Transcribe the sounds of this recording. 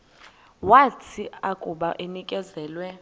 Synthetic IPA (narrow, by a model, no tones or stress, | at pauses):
watʰiakʼuɓaʔenikʼɛzɛːlwɛ